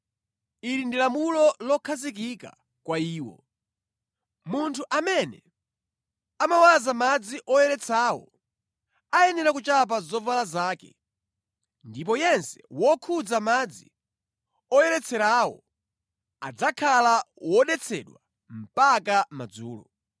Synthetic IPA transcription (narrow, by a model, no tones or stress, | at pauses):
iɾindilamulɔlɔkʰazik̬ika̰ | kwaiːwɔ̰ | muntʰuʔamɛnɛ | amawazamad͡ziʔɔjɛɾɛt͡sʰaːwɔ̰ | ajɛnɛɾakut͡ʃap̬azɔvalazaːkɛ̰ | ndip̬ɔjɛnsɛ̥wɔkʰud͡zamad͡zi | ɔjɛɾɛt͡sʰɛɾawɔ̰ | a̰d͡zakʰalawɔɗɛt͡sʰɛ̰ɗwa | m̩pakamad͡zṵːlɔ̰